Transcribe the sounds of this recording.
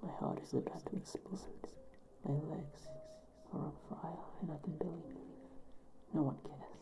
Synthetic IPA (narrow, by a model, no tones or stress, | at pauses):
maɪhɑ̰ɹɾɨzlɪp̚tʰʌp̚tʰə̃mɨspʊzmz̥ | maɪlɛɡz̥ | ə̰˞ə̰̃faɪlˠɨ̃naɪkʰn̩bɪlˠii | noʊwʌ̃nkʰɛs